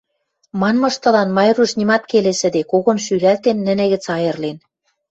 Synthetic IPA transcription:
mɑnmɤ̆ʃt̪ɤ̆lɑnmɑjruʃnimɑt̪keleʃɘ̆d̪ekoɣŏnʃyɾælt̪enːɘ̆nĕɣɘ̆t͡sɑjɤ̆rlen

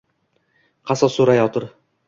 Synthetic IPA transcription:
qʰɑsɒsuɾajɒt̪ʰɤɾ

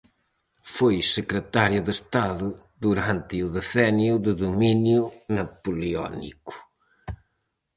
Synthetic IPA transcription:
fojsɨkɾət̪aɾjuðest̪aðu | ðuɾãnt̪ɨuðeθɛnjuðuðuminjunɐpuliɔ̰nḭku̥

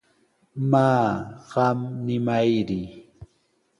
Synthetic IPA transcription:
maːɢɑmnɪmajɾɪ

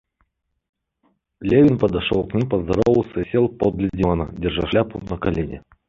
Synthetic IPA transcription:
lʲevʲɪnpəd̪aʂolˠknʲimʲpəzd̪aɾovəlˠsəsʲelˠpod̪lʲɪdʲɪmɑnə̰dʲɪrʐaʂlʲaput̪nəkalʲenʲɪ

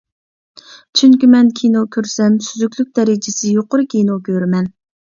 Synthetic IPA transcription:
t͡ʃʰyŋkʲimɛnkʲʰinokʲʰøɾsɛmsyzykʲlyk̚ʲd̪ɛɾɪd͡ʒɪsɪjoqʊɾɨkʲʰinokʲøɾmɛn

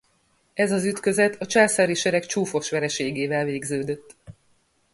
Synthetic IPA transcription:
ɛzɒzyt̪kø̞zɛt̪ʰɒt͡ʃaːlsaːɾiʃɛɾɛkt͡ʃuːfo̞ʃʋɛɾɛʃeːɡeːvɛlveːɡzøːd̪øt̪ː

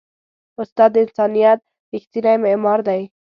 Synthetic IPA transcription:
ʊst̪ɑd̪ːɪnsɑnijat̪̚ | ɾɪxt̪inajmemɑɾd̪aj

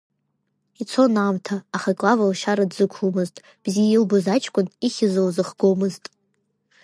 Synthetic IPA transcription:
it͡sʰo̞naːmtʰaːχakʼlavalʃaɾadzɨkʷʰumɨztʼ | b̥zijilbozat͡ʃʼʰkʷʼʊniχʲɪzowzɨχɡomɨztʼ

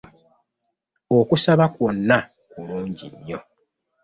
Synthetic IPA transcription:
okusaβakwonːa | kuluːɲɟḭɲːo̞

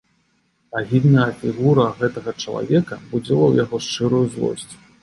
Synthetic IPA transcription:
aɣʲid̪nɐjɐfʲiɣuɾɐɣɛt̪ɐɣɐt͡ʂɐlˠa̰vʲɛkɐbud͡zʲɛlˠɐwjaɣɔʂt͡ʂɨɾujuzlˠɔ̰sʲt͡sʲ

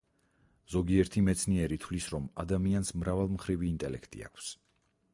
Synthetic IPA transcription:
z̥ɔɡiɛɾt̪ʰimɛt̪sʰniɛɾit̪ʰvlisɾɔmad̪amiansmɾavalˠmχɾiviːnt̪ʼɛlɛkʰt̪ʼḭa̰kʰs

